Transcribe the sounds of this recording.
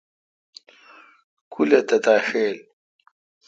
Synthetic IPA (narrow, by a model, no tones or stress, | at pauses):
kʰulet̪ɐt̪aːʂeːl